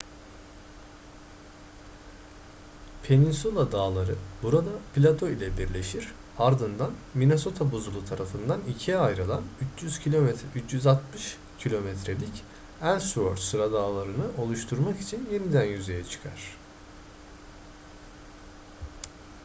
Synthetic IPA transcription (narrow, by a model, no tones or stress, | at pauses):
pʰe̞ninsulˠad̪aːlˠaɾɯbuɾad̪aplʲat̪ʰo̞ilʲɛbiɾlʲe̞ʃiɾ | aɾd̪ɯnd̪anmine̞so̞t̪ʰabuzulˠut̪ʰaɾafɯnd̪anicʰiajɾɯlˠanyt͡ʃjyz̥cʰiomɛyt͡ʃjyzat̪mɯʃ | cʰilʲo̞mɛt̪ɾe̞lʲic | ænsvoɾt͡ʃsɯɾad̪aːlˠaɾɯnɯʔo̞lˠuʃt̪ʰuɾmaki̥t͡ʃʰinje̞nid̪ænjyze̞jɛt͡ʃʰɯ̥kʰaɾ̝̥